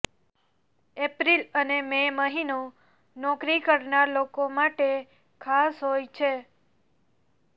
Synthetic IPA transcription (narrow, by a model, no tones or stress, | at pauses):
epɾilənememəɦino | nɔkɾikəɾnaɾlokomaʈe | kʰasɦojt͡ʃʰe